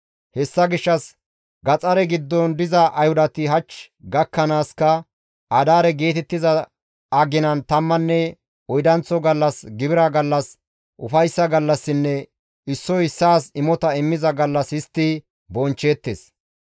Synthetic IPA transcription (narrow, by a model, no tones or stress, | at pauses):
hɛsːɐɡɪʃːɐs | ɡɐt͡sʼɐɾɛɡɪd̪ːɔnd̪ɪzɐʔɐjhʊd̪ɐt̪ɪɦɐt͡ʃː | ɡɐkːɐnaːskɐ | ʔɐd̪aːɾɛɡe̞ːt̪ɛt̪ːɪzɐ | ɐɡɪnɐnt̪ɐmːɐnːɛ | ɔjd̪ɐnt͡sːɔɡɐlːɐsɡɪbɪɾɐɡɐlːɐs | ʔʊfɐjsːɐɡɐlːɐsːɪnːɛ | ɪsːɔhɪsːaːsɪmɔt̪ɐɪmːɪzɐɡɐlːɐsɪst̪ːi | bɔnt͡ʃːe̞ːt̪ːes